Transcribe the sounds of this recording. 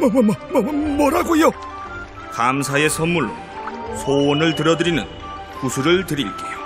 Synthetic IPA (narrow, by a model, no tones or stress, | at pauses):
mʌʌmʌmʌmʌɾaɡujo | kamsʰae̞sʰʌnmuɭ | sʰonɯɭtɯɾʌdɯɾinɯ̰n | kusʰuɾɯɭtɯɾiɭk͈ejo